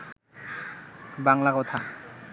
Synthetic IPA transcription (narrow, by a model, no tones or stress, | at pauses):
baŋlakɔt̪ʰa